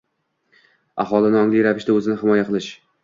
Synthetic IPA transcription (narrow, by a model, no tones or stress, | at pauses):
a̰hɒlˠɪnɒŋlijɾavɪʃd̪aɵzɪnɪhɪmɒjaqʰɨlˠɪʃ